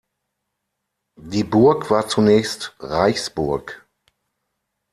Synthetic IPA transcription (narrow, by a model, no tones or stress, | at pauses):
diːbʊɐkv̥aːɐt͡sunɛːçstʁaɪçsb̥ʊɐk